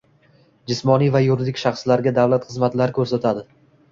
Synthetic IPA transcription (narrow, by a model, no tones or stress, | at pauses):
d͡ʒɪsmɒnijvajʊɾɪd̪ɪkʲʃaχslaɾɡʲad̪avlat̪χɨzmat̪laɾkʲʰɵɾsat̪ʰad̪ɪ